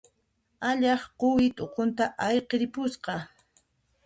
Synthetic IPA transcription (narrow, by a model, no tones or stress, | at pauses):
aʎɑχqowɪt̪ʼoqont̪aʔajqeɾɪpʊsqɑ